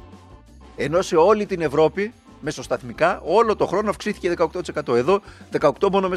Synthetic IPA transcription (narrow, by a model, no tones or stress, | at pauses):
e̞no̞se̞o̞lit̪ine̞vɾo̞pi | me̞sost̪ɐθmikɐʔo̞lo̞t̪o̞xɾo̞noɐfksiθi̥ce̞ðe̞kɐo̞k̚t̪ot̪ise̞kɐt̪o̞e̞ðo̞ðe̞kɐokt̪o̞mo̞no̞me